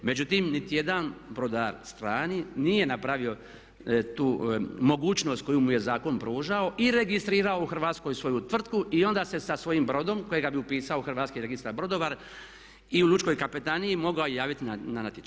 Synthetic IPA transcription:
me̞d͡ʑut̪imnit̪ije̞d̪anbɾod̪aɾst̪ɾaːninije̞napɾaʋio̞ | t̪uːmo̞ɡuːt͡ʃno̞ːst̪̚ko̞jumuje̞zaːko̞npɾuːʒao̞ʔiɾe̞ɡist̪ɾiːɾao̞uxr̩ʋaːt̪sko̞jsʋo̞jut̪ʋr̩t̪kuʔio̞nd̪aːse̞sasʋo̞jimbɾo̞d̪o̞mko̞jeɡabiupiːsaoxr̩ʋaːt̪skiɾe̞ɡist̪aɾbɾo̞d̪oʋaɾ | iulut͡ʃko̞jkapet̪aniimo̞ɡaojjaːʋit̪inananat̪it͡ʃ

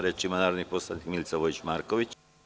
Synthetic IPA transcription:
ɾet͡ʃimanaɾniposlanikmilt͡saβoit͡ʃmaɾkoʋit͡ʃ

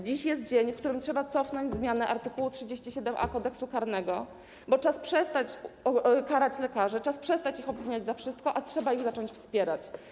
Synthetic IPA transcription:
d͡ʑiɕjɛs̬t̪̚d͡ʑeɲfkt̪uɾɘmtʂɛbat̪sɔfnɔɲd͡ʑzmʲjanɛʔaɾt̪ɘkuwutʂɘd͡ʑeɕt͡ɕiɕɛd̪ɛmʔa̰kɔd̪ɛksukaɾnɛɡɔ | bɔt͡ʂaspʂɛst̪at͡ɕɔkaɾat͡ɕlɛkaʐɛt͡ʂaspʂɛst̪at͡ɕixɔbvʲiɲad͡ʑzafʂɘst̪̚kɔʔatʂɛbaiɣzat͡ʂɔɲt͡ɕfspʲjɛɾat͡ɕ

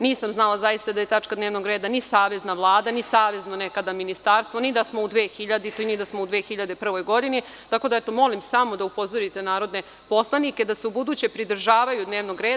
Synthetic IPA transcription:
niːsamznalˠazajist̪ad̪aje̞t̪at͡ʂkad̪neːʋno̞ɡɾe̞ːd̪anisaːʋe̞znaʋlˠaːd̪anisaːʋe̞znonekad̪aminist̪aːɾst̪ʋo̞nid̪asmo̞ud̪ʋeːxiʎad̪it̪oinid̪asmoud̪ʋe̞ːxiʎad̪e̞pr̩ʋo̞jɡo̞d̪ini | t̪ako̞d̪aɛt̪o̞mo̞limsamod̪aupo̞zo̞ɾit̪e̞naːɾo̞d̪ne̞ | po̞slˠanike̞d̪ase̞ubud̪uːt͡ɕe̞pɾid̪r̩ʒaːʋajud̪neːʋno̞ɡɾeːd̪a

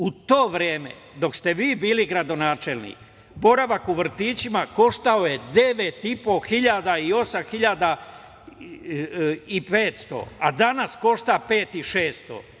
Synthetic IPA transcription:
ut̪o̞ːʋɾjeːme̞̰ | d̪o̞kst̪e̞ʋiːbiːliɡɾad̪o̞naːt͡ʃe̞lˠnḭːk | bo̞ɾaʋakuʋr̩t̪iːt͡ɕimako̞ʃt̪ao̞jed̪e̞ʋet̪ipo̞xiʎad̪aio̞samxiʎad̪a | ipeːt̪st̪o̰ad̪anasko̞ʃt̪aːpe̞ːt̪iʃeːst̪o̰

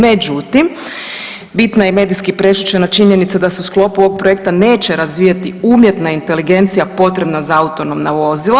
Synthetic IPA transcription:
med͡ʒut̪im | bit̪najeme̞ːd̪iskipɾe̞ʃut͡ʃenat͡ʃiɲenit̪sad̪ase̞usklo̞puooɡ̚pɾoje̞kt̪ane̞ːt͡ʃeɾazʋiːjat̪iumje̞t̪naint̪e̞liɡe̞nt̪sijapo̞t̪ɾe̞bnazaaut̪o̞no̞mnaʋo̞zilˠa

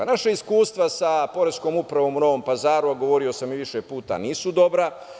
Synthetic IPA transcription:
naʃaiskuːst̪ʋasapo̞ɾesko̞ːmupɾaʋo̞ːmuno̞ʋo̞ːmpazaːɾuaɡo̞ʋo̞ɾio̞samiʋiʃepuːt̪a̰niːsud̪o̞bɾa

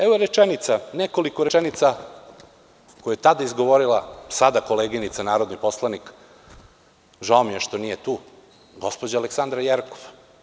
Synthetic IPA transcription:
eʋoɾet͡ʂenit̪sanekolikoɾeɛnit̪sa | kojajet̪ad̪aizɡo̞ʋo̞ɾilˠasad̪ako̞leːɡinit̪sanaːɾod̪niposlˠanik | ʒaomijeʃt̪o̞nijet̪u | ɡo̞spod͡ʑaaleksand̪ɾajeɾkoʋ

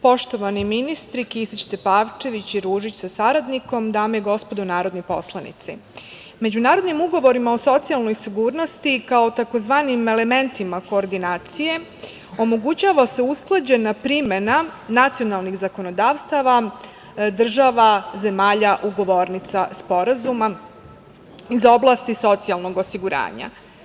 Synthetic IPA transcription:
po̞ʃt̪o̞ʋaniminist̪ɾikisit͡ɕt̪epaːʋt͡ʃe̞ʋit͡ɕiɾuːʒit͡ɕsasaɾad̪niko̞md̪aːmjeɡo̞spo̞d̪onaːɾo̞d̪nojpo̞̰slˠanḭt̪sḭ | me̞d͡ʑunaːɾo̞d̪nimuɡo̞ʋo̞ɾimaoso̞t̪sialˠno̞jsiɡuːɾno̞st̪ikao̞t̪ako̞zʋaːnime̞le̞me̞nt̪imako̞ːɾd̪inaːt̪sije̞ | o̞mo̞ɡut͡ɕaːʋase̞usklˠad͡ʑe̞napɾime̞nanat̪sijo̞nalˠniɣzako̞no̞d̪aːʋst̪aʋa | d̪r̩ʒaʋaze̞maːʎaʔuɡo̞ʋo̞ɾnit̪saspo̞ɾazuma | izo̞blˠast̪iso̞t̪sialˠno̞ɡo̞siɡuɾa̰ːɲa̰

